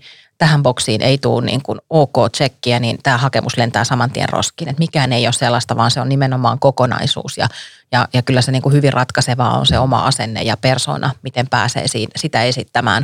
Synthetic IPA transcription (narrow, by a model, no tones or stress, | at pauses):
t̪æhæmboksiːnʔeit̪uːnnḭːŋkunoːkoːt͡ʃekːiænint̪æːhɑkemʔuslent̪æːsɑmɑnt̪ḭḛnro̰skiːnet̪mikæːneijosselːɑst̪ɑʋɑːnseonnimenomɑ̰ːŋkokonɑ̰isṵːsjɑ̰ | jɑjɑkylːæseniːŋkuhyʋirrʔɑt̪kɑseʋɑ̰ːo̰nseomɑ̰ɑsenːḛjɑperso̰ːnʔɑmit̪empæ̰ːsḛːsḭːnsit̪æesit̪ːæmæ̰ːn